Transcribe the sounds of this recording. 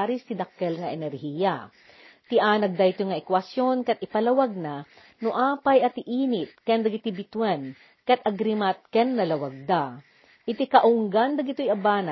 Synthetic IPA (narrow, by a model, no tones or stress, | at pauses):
ɾist̪id̪ɐkːɛlŋɐʔɛnɛɾhija | t̪ɪʔaːnɐɡ̚d̪ɐɪt̪ojŋɐʔɛkwɐsjonkɐt̪̚ɪpɐlɐwaɡ̚na | nʊʔaːpajɐt̪ɪʔiːnɪt̪̚kɛnd̪ɐɡɪt̪ibɪt̪wɛn | kɐt̪ʔɐɡɾimat̪̚kɛnːɐlɐwaɡ̚d̪a | ʔɪt̪ikɐʔʊŋɡand̪ɐɡɪt̪ojɐbaːna